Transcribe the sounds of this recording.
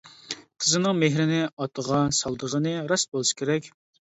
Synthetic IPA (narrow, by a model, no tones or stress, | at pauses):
q̪ʰəzɨnɨŋmeɦɾɪnɪɑt̪ʰəʁɑsɑlˠd̪əʁənɨɾɑsbolˠɨʃkʲʰeɾɛkʲ